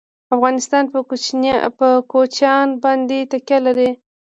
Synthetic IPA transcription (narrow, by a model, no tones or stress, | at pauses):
afɣɑnɪst̪ɑnp | əkot͡ʃɑnbɑnd̪et̪akjalaɾe